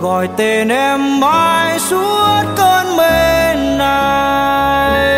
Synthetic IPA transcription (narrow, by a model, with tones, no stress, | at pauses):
ɔ˧˩jt̪e˧nʔɛ˧mma˧jsu˧˦əət̚kəː˧nme˧nːa˧ | j